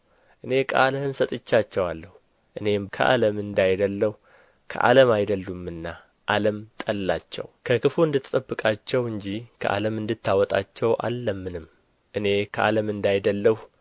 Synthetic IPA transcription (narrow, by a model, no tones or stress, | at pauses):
ʔɨne̞kʼaləhɨnsət̪ʼɨt͡ʃːat͡ʃːɛwalːəhu | ʔɨne̞kʰə̰ʔa̰ləmɨnd̪ajd̪əlːəhu | kʰə̰ʔa̰ləmajd̪əlːumɨnːa | ʔaləmt̪ʼəlːat͡ʃːɛ̰wkʰəkʰɨfuɨnd̪ɨt̪ʰːt̪ʼəbːɨkʼat͡ʃːɛwɨɲd͡ʒikʰə̰ʔa̰ləmɨnd̪ɨt̪ʰːawɔt̪ʼa̰t͡ʃːɛwʔa̰lːəmːɨnɨm | ʔɨne̞kʰəʔa̰ləmɨnd̪ajd̪əlːəh